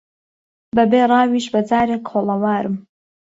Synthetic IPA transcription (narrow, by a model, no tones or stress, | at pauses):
bɐbeːrˤɑːwiːʃbɐd͡zaːɾekʰoːlˠɐwaːɾɨm